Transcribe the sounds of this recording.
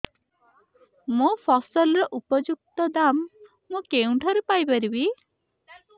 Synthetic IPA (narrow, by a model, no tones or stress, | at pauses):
mopʰɔsɔlɔɾɔʔupɔd͡ʒuk̚t̪ɔd̪amː | ũkeũɳʈʰɔɾepajbaɾibi